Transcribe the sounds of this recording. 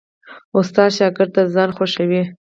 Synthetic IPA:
ʊst̪ɑʃɑkɪɾt̪azɑnxoʃawi

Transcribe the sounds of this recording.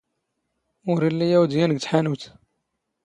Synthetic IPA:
ʊɾilːijæwd̪jænɡt̪ħanuwt̪

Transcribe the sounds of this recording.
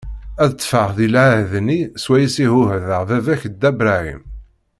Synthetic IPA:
æðət̪ːˤfəʁðilʕahðniswæjəsihʊɦðəʁvævæçəd̪ːæbɾæḭm

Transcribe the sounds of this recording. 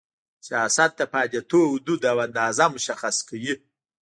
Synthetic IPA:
sijasat̪̚d̪əpɑd̪at̪oʊd̪ud̪awand̪ɑːzamʊʃaxaskawi

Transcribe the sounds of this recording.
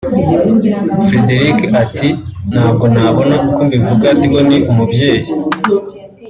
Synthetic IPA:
fɾe̞de̞ɾikatin̥haːbɡo̞naβo̞naʔukombivuɡatiɡoniʔumubje̞ːji

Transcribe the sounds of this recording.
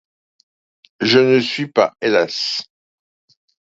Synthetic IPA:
ʒənəsɥipa̰elas

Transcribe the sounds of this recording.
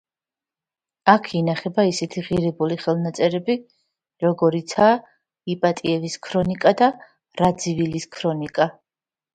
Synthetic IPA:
akʰinaχɛbaisɛt̪ʰiʁiɾɛbuliχɛlˠnat̪sʼɛɾɛbi | ɾɔɡɔɾit̪sʰaː | ipʼat̪ʼiɛviskʰɾɔnikʼad̪a | ɾad̪ziviliskʰɾɔnikʼa

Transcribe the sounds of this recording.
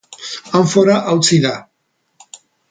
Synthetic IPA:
aɱfoɾaʔawt͡siða

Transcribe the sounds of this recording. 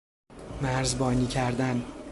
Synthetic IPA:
mæɾzbɒːniːcʰæɾd̪æn

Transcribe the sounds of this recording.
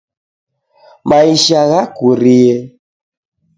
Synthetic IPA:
maiʃaɣakuɾiɛ

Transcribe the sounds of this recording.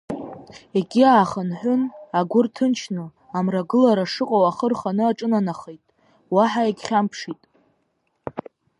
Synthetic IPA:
eɡʲiaːχənħʷʊnaɡʷʊrtʰɨnt͡ʃʰnɨ | amraɡɨlaɾaʂɨqʼawaχərχanɨaʈ͡ʂʼɨnanaχejtʼ | waħaeɡʲχʲampʰʂitʼ

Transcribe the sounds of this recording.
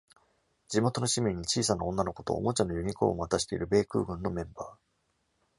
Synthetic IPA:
d͡ʑimo̞t̪o̞no̞ɕimʲiɲ̟ːit͡ɕiːsanaõ̞nːano̞ko̞t̪o̞̰ːmo̞t͡ɕanːojɯ̟mʲiko̰oβat̪aɕi̥t̪e̞̰ḭɾɯ̟be̞ːkɯ̟ːɡɯ̟̃nːo̞mẽ̞mbaː

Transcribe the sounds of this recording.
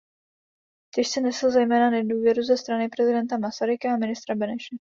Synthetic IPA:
t̪ɛʃsɛnɛsl̩zɛjmɛːnanɛduːvjɛɾuzɛst̪ɾanɪpɾɛzɪdɛnt̪amasaɾɪkaamɪnɪst̪ɾabɛnɛʃɛ

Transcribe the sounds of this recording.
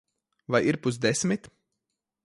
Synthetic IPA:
vajiɾpusd̪esmit̪

